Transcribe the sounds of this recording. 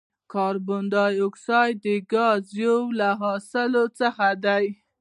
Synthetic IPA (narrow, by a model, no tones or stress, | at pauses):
kɑɾbʊnd̪ɑjoksɑjd̪əɡɑzjowlaɦɑsɪlot͡səxad̪aj